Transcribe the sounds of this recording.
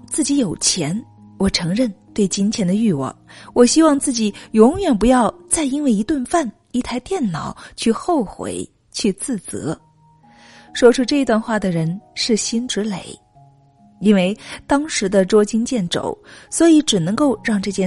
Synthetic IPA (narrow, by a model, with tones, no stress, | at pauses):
t͡sɹ̩˥˩t͡ɕi˧˥jo˨˩ʊt͡ɕʰjɛ˧˥n | wɔ˨˩ʈ͡ʂʰɤ˧˥ŋɻə˥˧nt̪we˥˩ɪt͡ɕi˥nt͡ɕʰjɛ˧˥nd̪ə˧y˥˧wɑ̰˥˩ŋwɔ˨˩ɕi˥wɑ˥˧ŋt͡sɹ̩˥˩t͡ɕi˨˩jʊ˧˥ŋɥɛ˨˩np̬u˧˥jɑ˥˧ʊt͡sa˥˩ɪi˥nwe˥˩ɪi˧˥t̪wə˥˧nfa˥˩n | i˧˥t̪ʰa˥˧ɪt̪jɛ˥˩nnɑ˨˩ʊt͡ɕʰy˥˧xo˥˩ʊxwḛ˧˥ɪ | t͡ɕʰy˥˧t͡sɹ̩˥˩t͡sɤ̰˧˥ | ʂwɔ˥ʈ͡ʂʰu˥ʈ͡ʂɤ˥˩i˧˥t̪wa˥˧nxwa˥˩d̪ə˩ɻə˧˥nʂɻ̩˥˩ɕi˥nʈ͡ʂɻ̩˧˥le˨˩ɪ | i˥nwe˥˩ɪt̪ɑ˥ŋʂɻ̩˧˥d̪ə˧ʈ͡ʂwɔ˥t͡ɕi˥nt͡ɕjɛ˥˩nʈ͡ʂo̰˨˩˦ʊswɔ˧˥i˧˥ʈ͡ʂɻ̩˨˩nɤ˧˥ŋko˥˧ʊɻɑ˥˧ŋʈ͡ʂɤ˥˩ɕjɛ˥